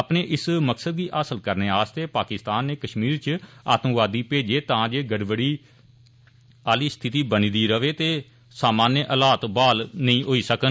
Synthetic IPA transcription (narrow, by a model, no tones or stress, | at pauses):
əpneːʔɪsməksəd̪̚ɡiːʔaːsəlkəɾneːaːst̪eːpaːkɪst̪aːnːeːkəʃmiːɾt͡ʃa̰ːt̪ə̃ʋaːd̪iːpeːd͡ʒeːt̪ãːd͡ʒeːɡəɽʋəɽiː | aːliːst̪ʰɪt̪iːbəniːd̪iːɾəʋeːt̪eː | saːmaːnjəʔəlaːt̪baːlnəĩːɦoːiːsəkən